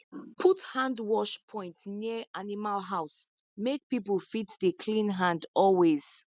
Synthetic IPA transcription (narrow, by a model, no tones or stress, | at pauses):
pʰuthãndwɔʃpʰɔ̃ɪ̃ntniəʔanimalɦaʊs | mek̚pipəl̩ˠfitðəkʰlĩnɦãndɔlwez̥